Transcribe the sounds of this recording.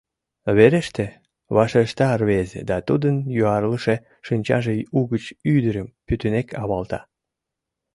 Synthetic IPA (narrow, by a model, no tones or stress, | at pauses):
βeɾeʃt̪e | βɑʃeʃt̪ɑrβezḛd̪ɑt̪ud̪ənjoɑrləʃe | ʃɨnʲt͡ɕɑʒeuɣət͡ɕyd̪əɾəmpyt̪ynekʰɑβɑlt̪ɑ̰